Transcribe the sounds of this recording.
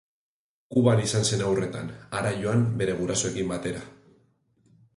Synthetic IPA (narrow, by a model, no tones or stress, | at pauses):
kuβaɾisanse̞nawre̞t̪a̰naɾajo̞ambe̞ɾe̞ɣ̞uɾasoe̞kimbat̪e̞ɾa